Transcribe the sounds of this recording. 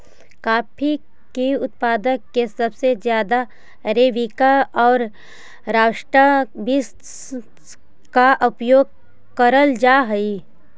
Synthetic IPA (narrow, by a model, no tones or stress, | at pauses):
kaːpʰi | kiʊt̪paːd̪əkːesɐbsezjaːd̪a | ɾeːʋikaɔːɾ | ɾaːʃʈɾəbist̪ | kaʔʊpjoːɡ̚ | kəɾəld͡ʒaːɦɐi